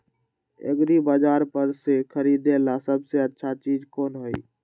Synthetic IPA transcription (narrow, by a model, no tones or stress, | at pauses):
ḛɡɾibad͡ʒaːɾpəɾsekʰəɾiːd̪elasəbseətːʃʰat͡ʃiːd͡ʒkoːnɦoi